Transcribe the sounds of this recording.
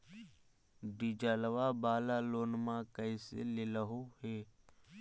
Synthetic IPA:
ɖid͡ʒələʋabaːlaloːnmãkəisḛlɪləɦoɦeː

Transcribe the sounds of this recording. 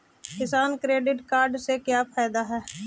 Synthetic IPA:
kɪsaːnkɾeːɖɪʈkaːɾɖsekjaːpʰaːjd̪aɦɛː

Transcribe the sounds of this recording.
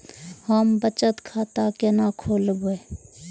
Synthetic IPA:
həmbət͡ʃət̪kʰaːt̪akenakʰoːlɡoe

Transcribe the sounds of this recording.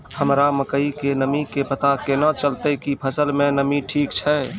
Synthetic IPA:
həmɾaməkəikenəmikepət̪akenət͡ʃəlt̪əkipʰəsəlmenəmiʈʰikt͡ʃʰɛ

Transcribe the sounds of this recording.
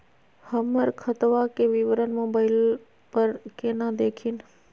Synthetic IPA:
həməɾkʰət̪ʋakeʋɪʋəɾənmoːbaːɪl | pəɾkeːnãd̪eːkʰin

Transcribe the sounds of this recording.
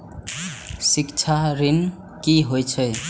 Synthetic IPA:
sikt͡ʃʰaɾin | kiɦojt͡ʃʰəj

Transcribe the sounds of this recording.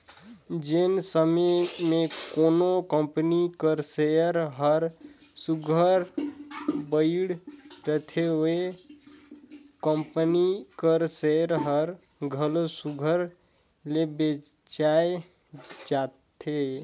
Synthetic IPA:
d͡ʒensəmemekonokəmpənikəɾsejəɾɦəɾ | suɡʱəɾ | bəɪɽɾət̪ʰee | kəmpənikəɾseəɾɦəɾ | ɡʱəlosuɡʱəɾ | lebe | t͡ʃae | d͡ʒat̪ʰe

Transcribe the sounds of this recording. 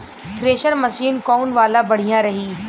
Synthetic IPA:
tʰɾeːʃəɾmɐsiːnkɔːnʋaːlabɐɽ̤ijãɾɐɦiː

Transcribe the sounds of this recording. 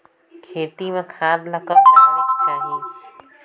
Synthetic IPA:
kʰeːt̪imẽkʰaːd̪lɐkət͡ʃaːɦie

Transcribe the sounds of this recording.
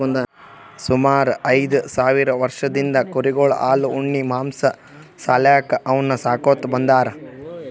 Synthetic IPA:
ɐnd̪ɐ | sumaːɾuʔɐjd̪usaːʋiɾɐʋɐɾʂɐd̪ind̪ɐkuɾiɡoɭɐʔaːluuɳːimaːmsɐ | saːlaːkɐɐʋɐnːɐsaːkoːt̪ːbɐnd̪aːɾɐ

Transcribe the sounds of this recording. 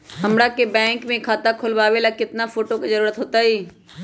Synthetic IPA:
ɦɐmɽakebɛ̃ːŋkmẽkʰaːt̪akʰʊlʋaːʋelakɪt̪nafʰoːʈokizəɾuːɾət̪ɦoːt̪aɦiː

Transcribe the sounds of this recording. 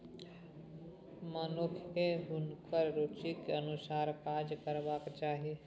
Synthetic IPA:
maːnokʰkebʱʊnkəɾɾot͡ʃikənʊsaːɾkaːd͡ʒkəɾʋaːkt͡ʃaːɦie

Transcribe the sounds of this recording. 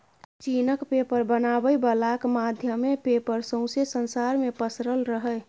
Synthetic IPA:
t͡ʃinəkpepəɾbənabəjbəlakmad̪ʱjəmepepəɾsə̃ʊ̃sesənsaɾmepəsɾəlɾəɦəɪ

